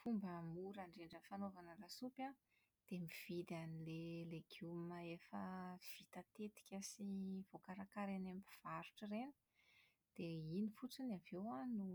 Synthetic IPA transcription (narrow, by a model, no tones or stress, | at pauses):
fumbəmuɾaɳɖ͡ʐeɳɖ͡ʐənfanovanəlasupʲa | d̪̥emiv̥id̪anileleɡ̥jumaefəv̥it̪at̪et̪i̥kʲəsiv̥okaɾakaɾenambiv̥aɾuʈ͡ʂərenə̥ | d̪̥einifut͡sinavewanu